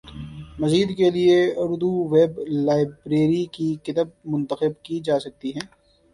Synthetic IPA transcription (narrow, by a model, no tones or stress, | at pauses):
mɐziːd̪kelieʊɾd̪uʋeːblaːɪbɾeːɾikikɪt̪əb̚mʊ̃nt̪əxɪbkid͡ʒaːsɐk̚t̪iɦɛ̃ː